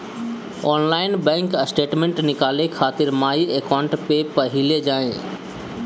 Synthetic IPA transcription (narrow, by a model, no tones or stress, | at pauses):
ɔːnlaːɪnbɛ̃ːŋksʈeːʈmẽɳʈnɪkaːlekʰaːt̪ɪɾmaːieːkaːʊ̃ɳʈpepɐɦɪled͡ʑaːẽ